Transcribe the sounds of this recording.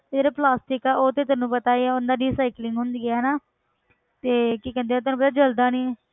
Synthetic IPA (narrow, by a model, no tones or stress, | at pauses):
t̪ːd͡ʒeːɾaːplaːsʈɪkaːʔoːt̪eːt̪̬aːnːũːpət̪aːiɛːʊnd̪aːɖiːsaːɪklɪŋɡɦʊnd̪ɡɪaːɦnaː | t̪eːkikɛ̃nd̪eɛ̃t̪ʊaːnũːpət̪aːd͡ʒəld̪aːniːɛ